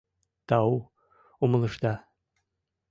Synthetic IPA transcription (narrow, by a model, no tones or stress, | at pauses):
t̪ɑu | umə̆lˠɤ̆ʃt̪ɑ